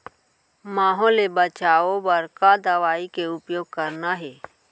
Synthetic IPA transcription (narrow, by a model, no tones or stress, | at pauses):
maːɦɔːlebət͡ʃaːobəɾkad̪əʋaːikeʊpjoːɡ̚kəɾnaɦɛː